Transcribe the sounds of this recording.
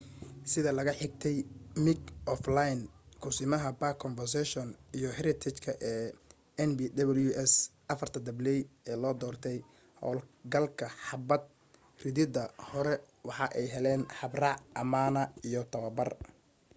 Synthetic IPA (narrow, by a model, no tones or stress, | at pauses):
sɪðɐlɐɣɐħɪɡ̚t̪ʰɛjmɪkɔflajnkʰʊsɪmɐɦɐbaːkʰːɔnfɛrs̬ɛʃɔnijɔhɛɾɪt̪ʰɛt͡ʃkʰɐʔɛː | ɛnbid̪ɐβɐljuʔɛsʔɐfɐrt̪ʰɐd̪ɐblɛjɛːlɔːd̪ɔːrt̪ʰɛj | hɔ̰ːlɡɐlkʰɐħɑbɐd̪̚ | rɪðɪd̪ɐhɔɾɛ | wɑħɑʔɛjɦɛlɛːnħɑbrɑʕʔɐmaːnɐijɔt̪ʰɐwɐbɐr